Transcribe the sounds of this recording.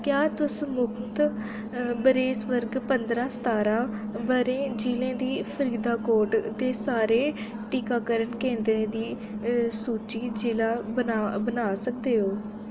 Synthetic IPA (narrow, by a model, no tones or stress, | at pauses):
kjaːt̪ʊsmʊkʰmt̪ | bəɾeːsʋəɾɡpənd̪ɾãːsə̥t̪aːɾãːbəɾẽːd͡ʒiːlẽːd̪iːpʰəɾiːd̪aːkoːɾʈd̪eːsaːɾeː | ʈiːkaːkəɾənkẽːnd̪ɾẽːd̪iː | suːt͡ʃiːd͡ʒɪːlaːbənaːbənaːsək̚d̪eːɦoː